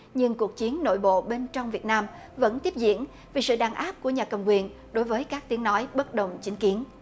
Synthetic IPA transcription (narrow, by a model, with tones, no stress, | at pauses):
ɲɨ˧ŋku˨˩ək̚t͡ɕi˨˦ənːo̰˧˨jɓo̰˧˨ɓe˧nt͡ɕɔ˧wŋ͡mvi˨˩ət̚naː˧m | və̰˧˥nt̪i˦˥əp̚zḭ˧˨˥ən | vi˨˩sɨ̰˧˨ɗaː˨˩ŋʔaː˦˥p̚ku˧˩əɲaː˨˩kə˨˩wŋ͡mkwi˨˩ən | ɗo˨˦jvəː˨˦jkaː˦˥k̚t̪i˨˦əŋnɔ˨˦jɓə˦˥t̚ɗə˨˩wŋ͡mt͡ɕi˨˦ŋ̟ki˨˦ən